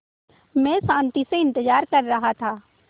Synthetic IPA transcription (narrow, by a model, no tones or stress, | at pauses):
mɛ̃ːsãːnt̪iseɪ̃nt̪əd͡ʒaːɾkɐɾːɐɦat̪ʰaː